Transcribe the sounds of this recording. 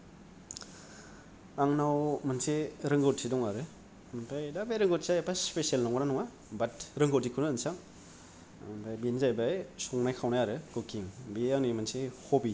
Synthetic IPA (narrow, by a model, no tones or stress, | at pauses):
aŋnawmanseɾɯŋɡɯwtsidɔŋaɾɯ | mpʰajdabejɾɯŋɡɯtzajbaspesielnaŋɡananɔŋa | batɾɯŋɡotikʰɯnɯːnsaŋ | mpajbinzajbajsɔŋnajkʰawnajaɾɯɡokiŋbiaŋnimansehobi